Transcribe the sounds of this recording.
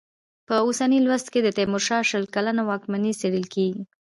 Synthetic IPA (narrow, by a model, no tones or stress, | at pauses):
pəosanilwast̪ked̪ət̪emʊɾʃɑʃəlkalanowɑkmaniseɽəlkeɡi